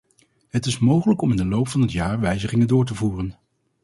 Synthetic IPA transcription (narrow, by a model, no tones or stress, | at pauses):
ɦətɪsmowχələkɔmɪndəlowpfɑnɦətjaːɹʋɛjzəχɪŋəndʊːɹtəvuːrən